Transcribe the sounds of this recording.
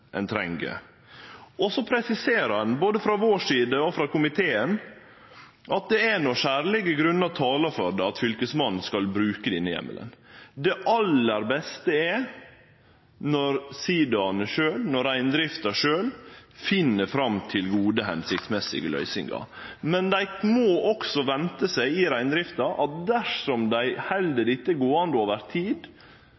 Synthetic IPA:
ʔɛnt̪ʰɾɛŋɡə̰ | ɔsɔpʰɾɛsɪseːɾɑnboːd̪əfɾɑʋoːʂiːd̪əɔfɾɑkʊmɪt̪ʰeːən | ʔɑt̪̚d̪ɛɛnɔʃæːɾlɪɡəɡɾʉnːɑt̪ʰɑːlɑfɔɾɖ̪ɛɑt̪fʏlkəsmɑnn̩skɑlbɾʉːkəd̪ɪnːəjɛ̰mːə̰lə̰nd̪ɛʔɑlːəɾbɛst̪əɛ | nɔɾsiːd̪ɑnəʂøːlnɔɾæɪnd̪ɾɪft̪ɑʂøːlfɪnːəfɾɑmt̪ʰɪlɡuːd̪əɦɛnsɪk̚t̪smɛsɪ̰ɡlœ̰ʏsɪ̰ŋɡɑ̰mɛnd̪æɪmɔːʔɔksɔʋɛnt̪əsæɪɪɾæɪnd̪ɾɪft̪ɑʔɑt̪̚d̪æʂɔmd̪æɪhɛld̪əɾɪt̪ːəɛɡoːɑnd̪əoːʋəɾt̪ʰiːd̪

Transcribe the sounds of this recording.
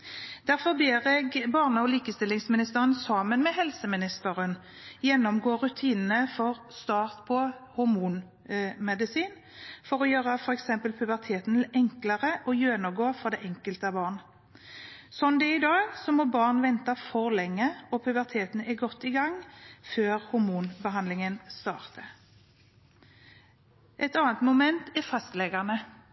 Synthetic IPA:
d̪̥æʁfɔʁbeːʁɛɡbɑːʁnəɔliːkəst̪ɪlːɪŋsmɪnɪst̪əʁənsɑːmənmɛhɛlsəmɪnɪst̪əɾən | jɛnːɔmɡoːɾʉt̪ʰiːnənəfɔʁ | st̪ɑːʁt̪pʰɔhʊɾmuːn | mɛd̪ɪsiːn | fɔɾɔjøːɾəfɔɾɛksɛmpəlpʰʉbəʁt̪ʰeːt̪nɛŋkləʁəʔɔjøːnəɡoːfɔd̪ɛʔɛŋkəlt̪əɑbɑːʁn | sɔnd̪ɛɪd̪ɑːɡsɔmɔbɑːʁnʋɛnt̪ɑfɔʁlɛŋːəɔpʰʉbəʁt̪ʰeːt̪n̩ɛɡɔt̪ːɪɡɑŋføːʁhʊɾmuːnbəɦɑnd̪lɪŋənst̪ɑ̰ːʁt̪ə | ʔɛt̪ɑːnt̪mʊmɛnt̪ɛfɑst̪lɛɡəʁnə

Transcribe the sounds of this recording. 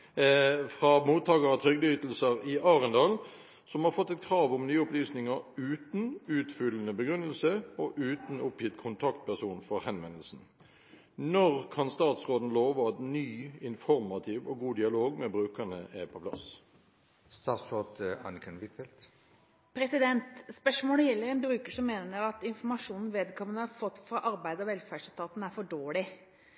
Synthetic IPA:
fʁɑmuːt̪ʰːɑːkəʁɑt̪ʰʁʏɡd̪əyːt̪l̩səʁɪʔɑːʁənd̪ɑːl | sɔmhɑːʁfɔt̪ːɛt̪kʰʁɑːʋʊmnyːəʊplyːsnɪŋəʁʉːt̪n̩ʉːt̪fʏlənəbəɡʁʉnːəlsəɔʔʉːt̪n̩ʊpjɪt̪kʰʊnt̪ʰɑkt̪̚pʰæʁsuːnfɔʁhɛnʋɛnəl̩sn̩ | nɔʁkʰɑnst̪ɑːt̪sʁoːd̪n̩loːʋəɑt̪nyːɪnfɔɾmɑt̪ʰɪʋɔɡuːd̪ɪɑloːɡmɛːbʁʉːkəɳəʔæpʰɔpʰlɑ̰s | st̪ɑsɔt̪əɑ̰nkʰənʋɪt̪fɛlt̪ | pʰɾɛsɪd̪ɛnt̪spœʂmoːɽəjɛlːəɾɛnbɾʉːkəʂɔmːeːnəɾɑt̪ɪnfɔmɑʂuːnn̩ʋeːd̪kʰɔmənəɑfɔt̪ːfɾɑʔɑɾbæɪd̪əɔʋɛlfæːɖʂlt̪ʰɑːt̪n̩æɾfɔɖoːɭɪ

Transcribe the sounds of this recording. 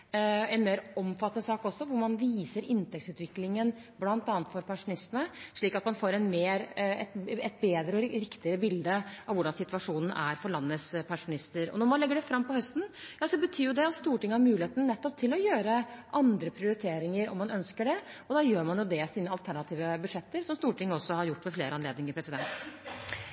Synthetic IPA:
ɛnmeːɾɔmfɑt̪ːənəsɑːkɔsːɔʋʊɾmɑnʋiːsəɾɪnt̪ɛk̪̚sʉːt̪ʋɪklɪŋənblɑnt̪ɑːnət̪fɔɾpʰɛnʂʊnɪst̪ənəʂɭiːkɑt̪mɑnfoːɾɛnmeːɾɛt̪ɛt̪̚beːd̪ɾəɔɾɪkt̪ɪəɾəbɪld̪əɑʋʊɖɑnsɪt̪ʋɑʂuːnn̩ʔæɾfɔɾɭɑnːəspʰɑʂʊnɪst̪əɾɔ̰nɔɾmɑnlɛɡːəɖɛfɾɑmːpɔhœst̪njɑːsɔbət̪ʰyːjʊd̪ɛɑt̪st̪uːʈɪŋːəhɑɾmʉːlɪheːt̪nənɛt̪ːɔp̚t̪ʰɪlɔjøːɾəʔɑnd̪ɾəpʰɾɪʊɾɪt̪ʰeːɾɪŋəɾɔ̰mːɑnœnskəɖɛɔd̪ɑːjøːɾmɑnjʊd̪ɛsiːnəɑlt̪ʰæɳɑt̪ʰiːʋəbʉd̪ʂɛt̪ːəɾsɔmst̪uːʈʰɪŋːəɔsːɔhɑɾjʊʈːmɛfleːɾəɑnleːd̪nɪŋəɾpɾɛsɪd̪ɛnt̪

